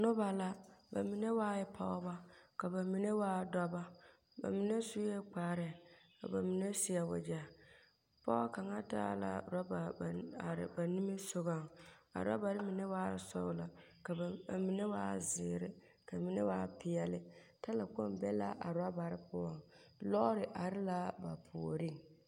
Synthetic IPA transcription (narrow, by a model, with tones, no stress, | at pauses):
nʊ˦ba˨la˦ba̰˨mi˨ne˦waː˦jɛ˦pʰa˦ba˦ka˨ba˨mi˨ne˦waː˦dɔ˦ba˦ | ba̰˨mi˨ne˦su˦ɛ˦k͡paː˨˦ɾɛ˨ka̰˨ba˨mi˨ne˦sɪ˦a˨wa̰˨d͡ʒa˨ | pɔ˦ka˨ŋa˦ta̰˦la̰˨˦ɾa˦ba˨ɾɪ̰˨ba˨ni˦mi˦sʊ˦ɣa˦˨ŋa̰˨ɾa̰˦ba˨ɾɪ˦mi˨ne˦waː˦ɾsɔ̰˦la˨ | ka˨mi˨ne˦wa̰ː˦zɪ˨ɾɪ˦ | ka˨mi˨ne˦waː˦pɪ˨ɛ˦lɪ˦ | ta˦la˨ko˦mbɛ˦la̰˦ʔa̰˨ɾa˦ba˨ɾɪ˦pʊ˦ɔ˨ŋlɔ˦ɾɪ˨ʔa˨ɾɪ˦la˦ba̰˨pʰu˨o˨ɾi˦˨ŋ